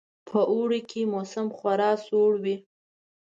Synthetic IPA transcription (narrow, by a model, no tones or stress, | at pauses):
pʰəʔuɽikʰemosamxwaɾɑsoɽwi